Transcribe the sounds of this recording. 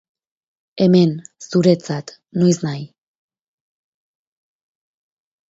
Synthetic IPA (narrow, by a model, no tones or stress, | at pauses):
e̞me̞nsuɾe̞t͡sat̪ | nojsnaj